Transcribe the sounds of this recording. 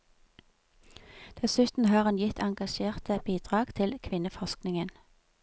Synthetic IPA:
d̪̥ɛsʉːt̪n̩hɑːʁɑnjɪt̪ʰɑŋɡɑʃeːʁt̪əbiːd̪̥ʁɑːɡ̥t̪ʰɪlkʰʋɪnəfɔʃknɪŋən

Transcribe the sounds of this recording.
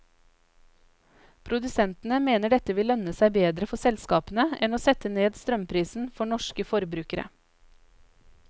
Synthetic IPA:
pʰɾʊd̪ʉsɛnt̪n̩əmeːnəɖɛt̪əʋɪlːœnəsæɪbeːd̪ɾəfɔsɛlskɑːpnəɛnoːsɛt̪əneːd̪st̪ɾœmpʰɾiːsn̩fɔɳɔʃkəfɔɾbɾʉːkəɾə̰

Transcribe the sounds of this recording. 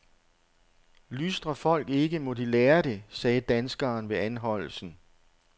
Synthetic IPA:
lysd̥ʁɐfɒ̽l̰ɡ̥e̝ɡ̥əmɔ̽d̥ileːɐde̝sɛːd̥ænsɡ̥ɐːnʋe̝ænɦɒ̽l̰l̩sn̩

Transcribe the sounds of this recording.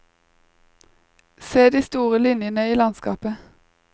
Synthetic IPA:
seːd̪iːst̪uːʁəlɪnjənəiːlɑnskɑ̰ːpə

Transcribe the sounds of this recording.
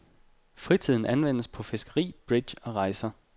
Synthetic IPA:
fʁit͡sʰið̰ˠn̩ʔænʋen̰əspʰɒ̽fe̝sɡ̥ɐʁḭːb̥ʁid̥ɕɒ̽ʁɑ̈ɪsɐ

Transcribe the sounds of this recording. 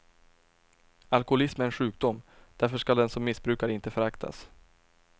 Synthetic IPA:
alkʊʊlɪsmɛɾɛnɧʉ̟ːk̚d̪ʊmd̪̥æɾfœʂkad̪ɛnsɔmːɪsbɾʉ̟ːkaɾɪnt̪əfœɾakt̪ʰa̰s

